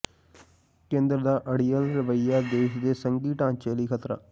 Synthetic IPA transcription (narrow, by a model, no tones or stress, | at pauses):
kẽːnd̪ɾəd̪aːʔəɽiːəlɾɪʋəɪjaːd̪eːʃd̪eːsəŋɡiːʈãːnt͡ʃeːliːkʰət̪ɾa̰ː